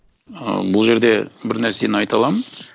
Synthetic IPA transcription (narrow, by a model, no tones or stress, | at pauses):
ə̰bʊlˠʒe̞ɾd̪e̞bɪɾnæɾseenɑjt̪ɑlˠɑmən